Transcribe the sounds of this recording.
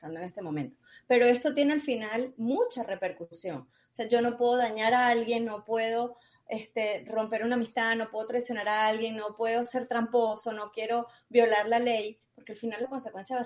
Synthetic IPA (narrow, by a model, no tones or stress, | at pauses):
t̪and̪oene̞st̪emo̞mẽ̞nt̪ope̞ɾo̞e̞st̪o̞t̪je̞ne̞alfinalmut͡ʃare̞pe̞ɾkusjo̞̰ŋ | oseaʝo̞no̞pwe̞ðoðaɲaɾaalɣje̞nːo̞pwe̞ð̞o̞ | est̪e̞ro̞mpe̞ɾunaːmist̪aðno̞pwe̞ðot̪ɾajsjo̞naɾaalɣje̞nːo̞pwe̞ðo̞se̞ɾt̪ɾampo̞so̞no̞kje̞ɾo̞ | βjo̞laɾlale̞jpo̞ɾke̞alfinalːako̞nsekwe̞nsjaβa